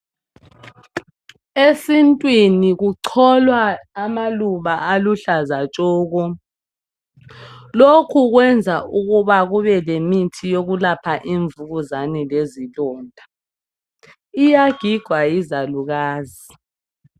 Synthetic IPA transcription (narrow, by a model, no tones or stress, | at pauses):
esintʼwiniɣuǀʰɔlwaːmaluβaaluɬazat͡ʃʼɔːɣɔ | lokʰuɣwɛnd͡zʱaʔuɣuβaɣuβɛlemitʰijoɣulapʰaʔiɱvuɣuzanɛlezilɔːndʱa | ijaɡ̥ʱiɡ̥ʱwajizaluɣaːzi